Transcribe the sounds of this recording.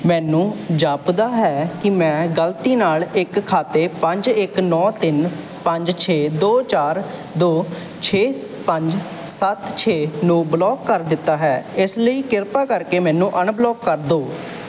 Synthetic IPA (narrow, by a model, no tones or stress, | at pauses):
mɛːnũːd͡ʒaːpd̪aːɦɛːkɪmɛ̃ːɡəlt̪iːnaːlɪkʰːaːt̪eːpəɲd͡ʒɪknɔːt̪ɪn | pəɲd͡ʒt͡ʃʰeːd̪oːt͡ʃaːɾ | d̪oː | t͡ʃʰeː | pəɲd͡ʒ | sət̪t͡ʃʰeːnũːblɔːkːəɾd̪ɪt̪ːaːɦɛːɪsləiːkɪɾpaːkəɾkeːmɛ̃ːnũːʔəɳblɔːkːəɾd̪oː